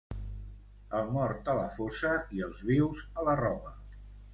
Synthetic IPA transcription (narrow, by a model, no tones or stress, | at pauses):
əlˠmɔɾt̪ələfosəiəlˠzβiwzələrɔβə